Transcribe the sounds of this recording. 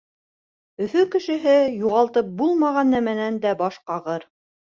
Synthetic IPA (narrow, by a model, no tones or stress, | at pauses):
ɵ̆fɵkɘ̆ʃɘ̆ɦɘjuʁɑlˠt̪ɤp̚bulˠmɑʁɑnːæmænænd̪æbɑʃqɑʁɤɾ